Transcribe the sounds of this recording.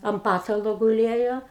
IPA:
ɐm ˈpɑːtɐlˠoː ɡʊˈlʲeːjoː

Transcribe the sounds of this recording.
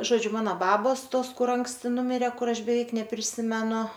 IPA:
ˈʒoːd͡ʒʲʊ ˈmɑːnoː ˈbɑːboːs ˈtoːs ˈkʊr ˈɐŋksʲtʲɪ ˈnʊmʲɪrʲeː ˈkʊr ˈɐʃ bʲɛˈʋʲɛɪk nʲɛpʲrʲɪˈsʲɪmʲɛnʊ

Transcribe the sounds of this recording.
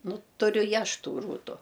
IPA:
ˈnʊ tʊˈrʲʊ ɪ ˈɐʃ ˈtuː ˈruːtʊ

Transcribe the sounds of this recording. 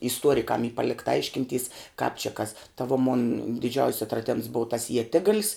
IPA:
ɪsˈtuɔrʲɪkɐm iː ˈpɑːlʲɪktɐ ˈɐɪʃʲkʲɪnʲˌtʲiːs kɑːp t͡ʃʲɪ kɐs tɐ ʋoː moːn dʲɪˈd͡ʒʲɛʊsʲ ɐtrɐˈdʲɛms boːw tɐs iɛˈtʲɪɡɐlʲs

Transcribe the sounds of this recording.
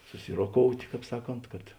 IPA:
sʊˈsʲɪroːˌkoːʊtʲ ˈkɑːp ˈsɑːˌkoːnt kɐt

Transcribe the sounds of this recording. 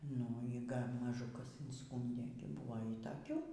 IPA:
nʊ iː ˈɡɐlʲ mɐˈʒʊ ˈkɐs ɪnˈskuːnʲdʲeː ɡʲɪ ˈbʊʋoː iː tɐˈkʲuː

